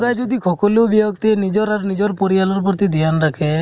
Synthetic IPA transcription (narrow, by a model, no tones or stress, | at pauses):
ɾajd͡ʒod̪ikʰɔkolobijɔɡt̪ienid͡ʒɔɾaɾnid͡ʒɔɾpoɾialɔɾpɔɾt̪id̪ijanɾakʰe